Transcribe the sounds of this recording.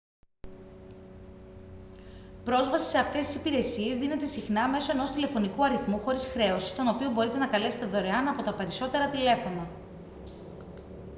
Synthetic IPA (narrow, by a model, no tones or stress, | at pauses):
pɾo̞zvɐsi̥se̞ɐft̪e̞st̪isi̥piɾe̞sie̞zðinet̪e̞sixnɐme̞so̞e̞no̞st̪ile̞fo̞nikuɐɾiθmuxo̞ɾisxɾe̞o̞si̥t̪o̞no̞pio̞bo̞ɾit̪e̞nɐkɐle̞se̥t̪eðo̞ɾe̞ɐnɐpo̞t̪ɐpe̞ɾiso̞t̪e̞ɾɐt̪ile̞fo̞nɐ